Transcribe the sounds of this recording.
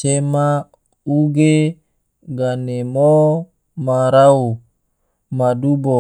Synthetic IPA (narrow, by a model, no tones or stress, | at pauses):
t͡ʃema | uɡe | ɡanemo | maɾau | madubɔ